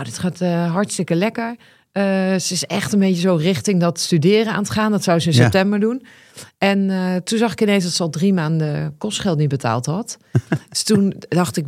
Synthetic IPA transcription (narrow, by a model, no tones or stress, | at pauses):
nowdɪtχaːtɦɑɹtstɪkəlɛkəɹ | əsəɪsɛ̰xtənbeːtəzowrɪxtɪŋdɔtstydɪərəa̰ːnətχaːndɔtsawsəɪnsɛptɛmbəɹdun | ɛntunzɑxɪkɪnens̬dɔtsəɔlˠdrimaːndəkɔstχɛlˠtnibətʰa̰ːlˠthɑt | tundɑxtɪk̚